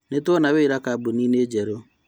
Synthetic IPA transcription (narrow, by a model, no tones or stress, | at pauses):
netwɔnaβeiɾakabonined͡ʒɛɾo